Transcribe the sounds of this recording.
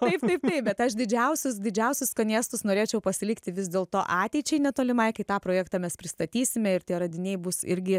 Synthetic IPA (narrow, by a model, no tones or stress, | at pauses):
t̪ɐɪpt̪ɐɪp̚t̪ɐɪpbʲɛt̪ɐʃd̪ʲɪd͡ʒʲɛʊsʲʊsd̪ʲɪd͡ʒʲɛʊsʲʊskɐnʲiːst̪ʊsnoːɾʲeːt͡ʃʲɛʊpɐsʲɪlʲɪkt̪ʲɪʋʲɪzd̪ʲeːlˠt̪oːʔɑːt̪ʲɛɪt͡ʃʲɛɪnʲɛt̪oːlʲɪmɐɪkɐɪt̪ɑːpɾoːjɛːkt̪ɑːmʲɛspʲɾʲɪst̪ɐt̪ʲiːsʲɪmʲɛɪɾtʲiɛɾɐd̪ʲɪnʲɛɪbʊsɪɾʲɡʲɪ